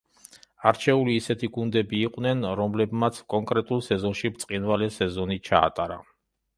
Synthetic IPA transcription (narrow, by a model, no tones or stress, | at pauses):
aɾt͡ʃʰɛuliːsɛt̪ʰiɡund̪ɛbiːqʼnɛnɾɔmlɛbmat̪sʰkʼɔŋkʼɾɛt̪ʼulˠsɛzɔnʃibt̪sʼqʼinvalɛsɛzɔnit͡ʃʰa̰ːt̪ʼaɾa̰